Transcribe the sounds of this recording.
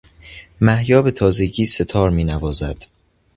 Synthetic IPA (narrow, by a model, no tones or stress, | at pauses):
mæhjɒːbe̞t̪ʰɒːze̞ɟiːse̞t̪ʰɒːɾmiːnævɒːzæd̪̥